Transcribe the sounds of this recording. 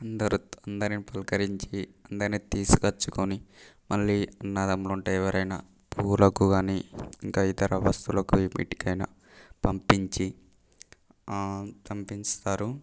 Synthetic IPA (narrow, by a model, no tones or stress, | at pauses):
ɐnd̪ɐɾuɐnd̪ɐɾinipɐlkɐɾiɲt͡ʃiɐnd̪ɐɾniːt̪iːsu̥kɐt͡ʃːukonimɐɭːiːɐnːaːd̪ɐmloːuɳʈeːɛʋɐɾɐjna̰ː | pʰuːlɐkuɡaːniːiŋkaːit̪ɐɾɐʋɐst̪ulɐkuʋimḭːʈi̥kɐjnɐ̰ | pɐmpiɲt͡ʃi | t̪ɐmpinst̪aːɾu